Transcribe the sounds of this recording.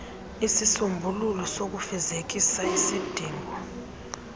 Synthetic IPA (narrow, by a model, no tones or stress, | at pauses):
isisumbʱululɔsok̬ufɛzek̬isaisid̥ʱiːŋʱɔ